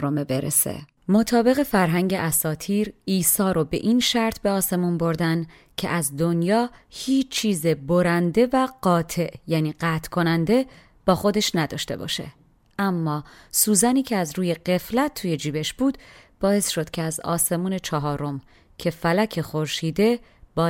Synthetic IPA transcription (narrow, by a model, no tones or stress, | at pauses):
omebeɾḛsḛ | mo̞t̪ʰɒːbe̞ɣe̞fæɾɦæŋɟeʔæsɒːt̪ʰiːɾiːsɒːɾobe̞̰ʔiːnʃæɾt̪ʰbeɒːse̞munbo̞ɾd̪æn | cʰe̞̰ʔæzd̪o̞njɒːhiːt͡ʃt͡ʃʰːiːzeboɾænd̪e̞væɢ̥ɒːt̪ʰe̞ʔjæːniːɢæːt̪ʰkʰo̞nænd̪e̞ | b̥ɒːxo̞d̪e̞ʃnæd̪ɒ̰ːʃt̪e̞̰bɒ̰ːʃe̞̰ | ʔæmːɒːsuːzæniːcʰeæzɾuːje̞ɢe̞flæt̪̚ʰːuːje̞d͡ʒiːbe̞ʃb̥uːd̪̥b̥ɒːe̞sʃo̞d̪̥cʰeæzɒ̰ːse̞muːne̞t͡ʃʰɒɦɒːɾo̞m | cʲʰe̞fælæcʰe̞xo̞ɾʃiːd̪e̞b̥ɒː